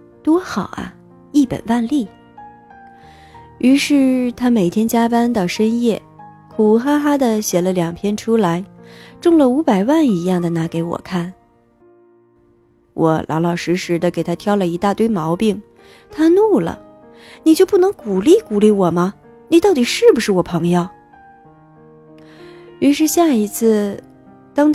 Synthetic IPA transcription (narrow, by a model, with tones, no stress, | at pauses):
t̪wɔ˥xɑ˨˩ʊʔɐ̰˦ | i˥˩pə̰˨˩nwa˥˧nli˥˩ | y˧˥ʂɻ̩˥˩t̪ʰa˥me˨˩ɪt̪ʰjɛ˥nt͡ɕja˥pa˥nd̪ə˨ʂə˥njɛ˥˩ | kʰu˨˩xa˥xa˥d̪ə˨ɕjɛ˨˩lə˦ljɑ˨˩ŋpʰjɛ˥nʈ͡ʂʰu˥la˧˥ɪʈ͡ʂʊ˥˧ŋlə˨˩u˧˥pa˨˩ɪwa˥˩ni˧˥jɑ˥˩ŋd̪ə˩na˧˥ke˧˥ɪwɔ̰˨˩kʰa˥˩n | wʔɔ̰˧˩˦lʔɑ̰˧˥lɑ˨˩ʊʂɻ̩˧˥ʂɻ̩˧˥d̪ə˧ke˨˩ɪt̪ʰa˥t̪ʰjɑ˥˩ʊlə˨i˧˥t̪a˥˧t̪we˥˩ɪmɑ˧˥ʊpi˥˩ŋ | t̪ʰa˥nu˥˩lə̰˩ | ni˨˩t͡ɕjpu˥˩nɤ˧˥ŋku˨˩li˥˩ku˨˩li˥˩wɔ˨˩mɐ˧ | ni˨˩t̪ɑ˥˩ʊt̪i˨˩ʂɻ̩˥˩bu˧˩ʂɻ̩˥˩wɔ˨˩pʰɤ˧˥ŋjo˧˩ʊ | y˧˥ʂ̬ɻ̩˥˧ɕja˥˩i˧˥t͡sʰɹ̩˥˩ | t̪ɑ˥ŋt̪